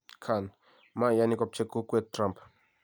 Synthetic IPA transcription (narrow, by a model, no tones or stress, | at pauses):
kʰan | majanikap̚t͡ʃekːuket̪̚tɾãmp